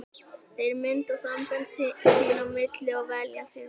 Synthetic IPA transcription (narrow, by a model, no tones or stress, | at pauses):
θejɾmɪnt̪asampɛnt̪sɪsinamɪt̪lɪaɣvɛːljasɪn